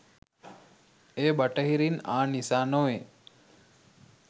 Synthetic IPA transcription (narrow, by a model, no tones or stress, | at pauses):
eːbəʈəɦiɾinaːnisaːnoʋe